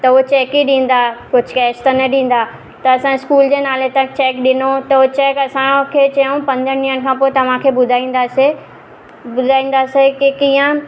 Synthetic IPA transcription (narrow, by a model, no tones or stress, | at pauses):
t̪ɐut͡ɕɛːkiɗĩːn̆d̪akʊd͡ʑ̆ʱkɛːst̪ənɐɗĩːn̆d̪aː | t̪ɐɐsãɪskuːld͡ʑeːnaːlet̪ãt͡ɕɛːkɗɪnot̪ɐot͡ɕɛːkɐsãkʰeːt͡ɕɐjũpɐ̃nd̪ʱəɾnĩːənɪ̆kʰãːpoːet̪ɐʋ̤ãkʰebʊd̪ʱaĩːn̆d̪aːse | ʊd̪ʱaːĩːn̆d̪aːsekikiːə̃